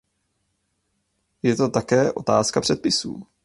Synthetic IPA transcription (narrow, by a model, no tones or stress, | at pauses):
jɛt̪o̞t̪akɛːʔo̞t̪aːskapr̥ɛt̪̚pɪsṵː